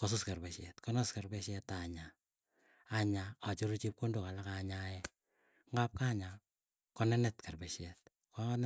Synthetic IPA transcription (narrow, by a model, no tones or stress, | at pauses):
kosuskarbeʃɛtkɔnɔskarbɛʃɛtaɲaː | ɲaat͡ʃoɾut͡ʃip̚kondokalakaɲajɛ | ŋɡap̚kaɲa | kɔnɛnɛtkarbeʃɛt̚ | kn